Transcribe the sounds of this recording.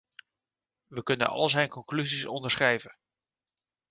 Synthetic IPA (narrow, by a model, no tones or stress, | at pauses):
ʋəkɵnə̰nɑ̰lˠzɛjnkɔŋklyzisɔndəɹsχrɛjvən